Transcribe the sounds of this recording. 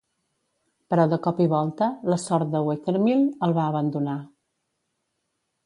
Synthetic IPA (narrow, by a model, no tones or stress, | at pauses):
pəɾɔðəkɔpiβɔlˠt̪ələsɔɾt̪̚d̪əwekəɾmilˠəlˠβaəβənd̪una